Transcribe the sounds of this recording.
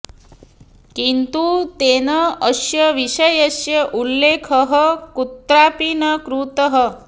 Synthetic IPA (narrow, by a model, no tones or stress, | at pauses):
kint̪ut̪eːnɐɐʃjɐʋiʃɐjɐsjɐʔulːeːkʰɐɦɐkut̪ɾaːpinɐkɾut̪ɐɦɐ